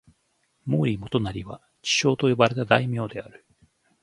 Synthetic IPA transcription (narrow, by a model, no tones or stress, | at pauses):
moːɾʲimo̞t̪o̞naɾʲiβa | t͡ɕi̥ɕo̞ːt̪o̞jo̞baɾe̞t̪ad̪aimʲo̞ːd̪e̞aɾɯ̟